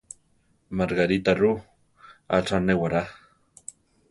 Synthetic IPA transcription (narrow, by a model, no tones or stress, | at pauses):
maɾɡaɾit̪aɾu | a̰ʈ͡ʂanewaɾa